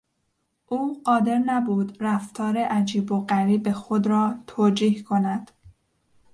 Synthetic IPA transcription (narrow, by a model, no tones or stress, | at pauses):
ʔuːɢɒːd̪e̞ɾnæbuːd̪ɾæft̪ʰɒːɾe̞ʔæd͡ʒiːboɢæɾiːbe̞xod̪ɾɒːt̪ʰoːd͡ʒiːhkʰo̞næd̪̥